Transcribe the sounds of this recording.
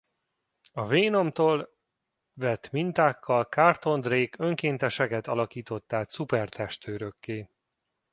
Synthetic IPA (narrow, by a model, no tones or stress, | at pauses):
ɒveːno̞mt̪oːl | vɛt̪mint̪aːkːɒlkart̪o̞nd̪reːkø̞ŋkeːnt̪ɛʃɛkɛt̪ɒlɒkiːt̪o̞t̪ːaːt̪supɛrt̪ʰɛʃt̪øːɾøkːeː